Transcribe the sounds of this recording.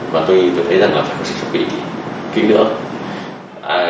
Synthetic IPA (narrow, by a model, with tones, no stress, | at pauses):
vaː˨˩t̪o˧jt̪ɨ˨˩t̪ʰə˨˦jza˨˩ŋlaː˨˩faː˧˨jxo˧˦ŋ͡msɨ̰˧˥˩sʰə˦˧˥ɓḭ˧˨t̪ʰi˨˩ki˧˦nɨ̰˧˥ə | ʔaː˧